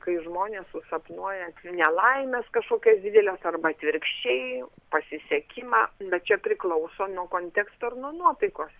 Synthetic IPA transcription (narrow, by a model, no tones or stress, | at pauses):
kɐɪʒmoːnʲeːssʊsɐpnuɔjɛt̪ʲnʲɛlˠɐɪmʲɛskɐʃkoːkʲɛːsd̪ʲɪd̪ʲɛlʲɛsɐrbɐɐt̪ʲʋʲɪɾkʃʲt͡ʃʲɛɪpɐsʲɪsʲɛkʲɪmɑːbʲɛt̪̚t͡ʃʲɛpʲɾʲɪklˠɐʊsoːnuɔkoːnʲt̪ʲɛkst̪oːɪrnuɔnuɔt̪ɐɪkoːs